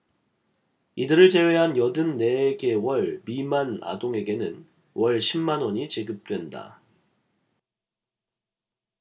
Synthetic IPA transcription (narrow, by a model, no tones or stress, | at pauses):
idɯɾɯɭt͡ɕe̞we̞ɦanjʌdɯnːe̞ɡe̞wʌɭmimana̰doŋe̞ɡe̞nɯn | wʌɭɕʰimːanwʌɲit͡ɕiɡɯp̚t͈we̞nda̰